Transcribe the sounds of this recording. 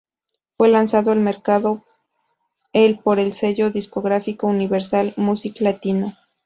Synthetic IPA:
fwe̞lansaðoelme̞ɾkaðo | elpo̞ɾe̞lse̞ʝo̞ðisko̞ɣɾafikouniβe̞ɾsalmusiklat̪ino

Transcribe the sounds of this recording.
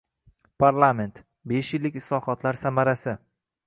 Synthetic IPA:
pʰaɾlˠame̞nt̪ | be̞ʃjɪlːɪkʲɪslɒhɒt̪ʰlaɾsamaɾasɪ

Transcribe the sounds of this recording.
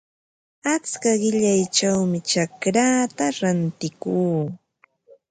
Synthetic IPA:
at͡skaɢɪʎajt͡ʃawmɪt͡ʃakɾaːt̪aɾant̪ɪkuː

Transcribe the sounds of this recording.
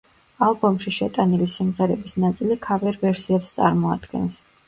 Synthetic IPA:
alˠbɔmʃiʃɛt̪ʼanilisimʁɛɾɛbisnat̪sʼilikʰavɛɾvɛɾsiɛpst̪sʼa̰ɾmɔa̰d̪̥ɡɛ̰ns

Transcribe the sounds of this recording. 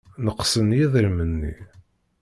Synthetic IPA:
nəqːsənjiðəɾmənːḭ

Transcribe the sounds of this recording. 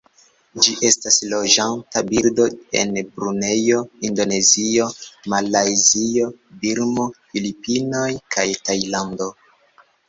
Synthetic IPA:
d͡ʒiʔe̞staslo̞ʒantabiɾdo̞e̞̰nbɾune̞jo̞indo̞ne̞zio̞malajzio̞biɾmo̞filipino̞jkʰajtajlando̞

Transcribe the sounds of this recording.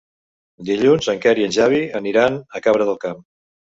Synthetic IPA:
d̪iʎunzəŋkɛɾiənʒaβ̞iəniɾanəkaβɾəðəlˠkam

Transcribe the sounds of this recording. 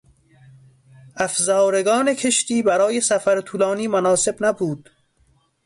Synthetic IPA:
æfzɒːɾeɡɒːne̞kʰeʃt̪iːbæɾɒːjesæfæɾt̪ʰuːlɑːniːmonɒːse̞bnæbuːd̪̥

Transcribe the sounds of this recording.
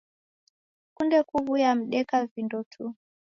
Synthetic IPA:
kundɛkuβujam̩ɗɛkavindɔtʰu

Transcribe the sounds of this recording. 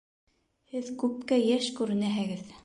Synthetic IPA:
hɘðkʉp̚kæjæʃkʉɾɘ̆næɦɘ̆ɡɘð

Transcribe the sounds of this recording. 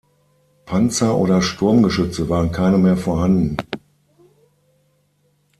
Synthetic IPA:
pʰant͡sɐʔo̰ːdɐʃtʰʊɐmɡəʃʏt͡səvaːʁənkʰaɪnəmeːɐfoːɐhandn̩

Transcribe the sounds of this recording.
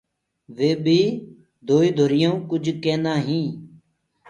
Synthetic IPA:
ʋeːbʱiː | d̪ʱoːiːd̪ʱoɾɪjõːkʊd͡ʒʱkeːnãːɦĩː

